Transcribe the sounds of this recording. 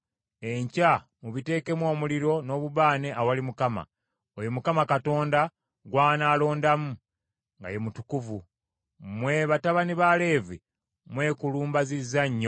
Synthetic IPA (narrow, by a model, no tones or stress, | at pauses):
e̞ɲca | muβite̞ːke̞mwo̞ːmuliɾo̞no̞ːβuβaːne̞ʔawalimukama̰ | ojomukamakato̞ːnda | ɡwaːnaːlo̞ːndamu | ŋɡa̰jemutukuvu | mwe̞βataβaniβale̞ːvḭ | mwe̞ːkuluːmbazizaɲːo